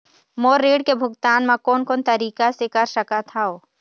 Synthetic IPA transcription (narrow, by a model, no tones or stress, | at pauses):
moːɾːeːɽkebʱʊɡt̪aːnmãkoːnkoːnt̪ɐɾiːkasekɐɾʃɐkat̪ʰaoː